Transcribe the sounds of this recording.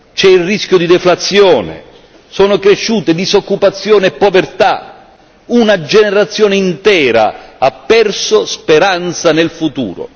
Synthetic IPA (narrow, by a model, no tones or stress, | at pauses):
t͡ʃɛilriskʲjʊd̪id̪ɛflat̪sːjɔːnḛ | soːnʊkɾeʃːuːt̪ed̪izokːupat̪sːjoːneɛpːovert̪a̰ | unad͡ʒeneɾat̪sːjoːneint̪ɛːɾa̰apːɛrsospeɾant̪sanelfut̪ṵːɾo̰